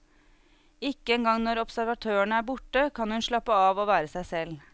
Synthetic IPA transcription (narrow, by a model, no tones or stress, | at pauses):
ɪkːəɛːŋɡɑŋnɔɾɔpsæɾʋɑt̪ʰøːəɳəæːɾbʊʈːəkʰɑnhʉnʂɭɑpːəɑːʋoːʋæːɾəsæɪsɛl